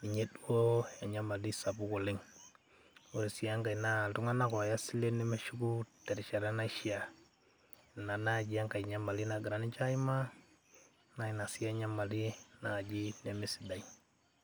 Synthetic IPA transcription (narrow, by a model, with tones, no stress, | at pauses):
i˨ɲe˦du˦o˦ja˨ɲa˦ma˨li˦sa˨bu˦ko˨le˦ŋ | o˦ɾi˨si˨a˦ŋɡa˨i˨na˦˨tu˦ŋa˦na˦kɔ˨ja˦si˦le˦ne˦me˦ʃu˦ku˦tɛ˨ɾi˨t͡ʃa˨ɾa˦na˦i˦ʃi˦a˨ | na˨na˦d͡ʒi˨a˦ŋka˨i˨ɲa˦ma˨li˦na˨ɡi˨ɾa˨˦ni˦t͡ʃa˦i˦ma˦ | na˦i˨na˨si˦a˦ɲa˦ma˨li˦na˨d͡ʒi˦ne˨me˦si˨da˨i